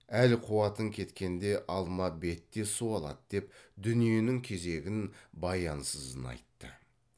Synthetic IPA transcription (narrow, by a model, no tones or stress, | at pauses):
ælqʰuɑt̪əŋkʲʰe̞t̪kʲe̞nd̪e̞ʔɑlˠmɑbe̞t̪ːe̞suɑlˠɑ̰d̪d̪̥e̞pd̪ʏnije̞nɪŋkʲʰe̞ze̞ɡʲɪnbɑjɑnsəzənɑ̰jt̪ːə